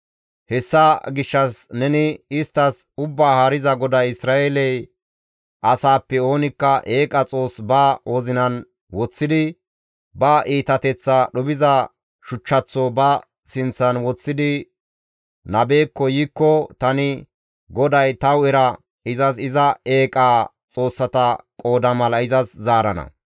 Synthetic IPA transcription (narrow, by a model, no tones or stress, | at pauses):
hɛsːɐɡɪʃːɐsnɛnɪɪst̪ːɐs | ʊbːaːhaɾɪzɐɡɔd̪ɐjɪsɾaːeːlɛj | ʔɐsaːpːɛo̞ːnɪkːɐʔeːkʼɐt͡sʼo̞ːsbɐwɔzɪnɐn | wɔt͡sːɪd̪ɪ | bɐʔiːt̪ɐt̪ɛt͡sːɐɗɔbɪzɐ | ʃʊt͡ʃːɐt͡sːɔbɐ | sɪnt͡sːɐnwɔt͡sːɪd̪ɪ | nɐbe̞ːkːɔjiːkːɔt̪ɐnɪ | ɡɔd̪ɐjt̪ɐwɛɾɐ | ɪzɐsɪzɐe̞ːkʼa | t͡sʼo̞ːsːɐt̪ɐkʼo̞ːd̪ɐmɐlɐɪzɐszaːɾɐnɐ̰